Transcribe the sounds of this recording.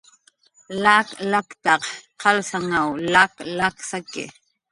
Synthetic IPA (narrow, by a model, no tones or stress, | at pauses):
laːklakt̪ɑqqɑlsaŋawlaklaksakɪ̰